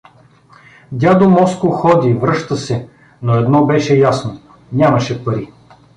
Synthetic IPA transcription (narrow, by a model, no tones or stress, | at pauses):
d̪ʲad̪omɔskoxɔd̪ivɾɤʃt̪əsɛ | noɛd̪nɔbɛʃɛjasno | nʲamɐʃɛpɐɾi